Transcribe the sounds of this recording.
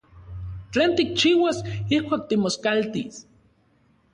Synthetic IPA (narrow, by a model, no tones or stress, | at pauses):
t͡ɬeːnt̪ik̚t͡ʃiːwasihkʷaːk̚t̪imoskalt̪is